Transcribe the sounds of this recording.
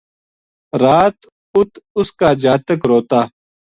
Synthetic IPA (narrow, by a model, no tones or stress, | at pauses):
ɾaːt̪ | ʊt̪ʊskaːd͡ʒaːt̪əkɾoːt̪aː